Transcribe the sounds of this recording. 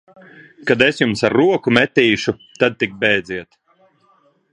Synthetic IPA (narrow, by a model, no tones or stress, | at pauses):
kad̪esjumsaɾːuɔkumɛt̪ʲiːʃut̪ad̪̚t̪ik̚bɛjd̪ziɛt̪